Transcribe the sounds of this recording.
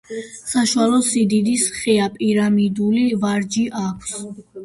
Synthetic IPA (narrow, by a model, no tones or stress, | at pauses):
saʃualɔsid̪id̪isχɛapʼiɾamid̪ulivaɾd͡ʒiʔakʷʰs